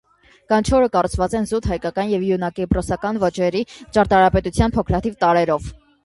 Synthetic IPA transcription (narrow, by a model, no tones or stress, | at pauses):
kɑnt͡ʃʰɔɾəkɑrut͡sʰvɑt͡sɛnzut̪hɑjkɑkɑnjɛvjunɑkiprɔsɑkɑnvɔt͡ʃɛɾit͡ʃɑɾt̪ɑɾɑpɛt̪ut͡sʰjɑnpʰɔkʰɾɑt̪ʰivt̪ɑɾɛɾɔv